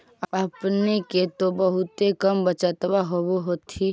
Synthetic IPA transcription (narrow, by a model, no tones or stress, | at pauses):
əpneket̪obəɦʊt̪ekəmbət͡ʃət̪baɦoboɦot̪ʰi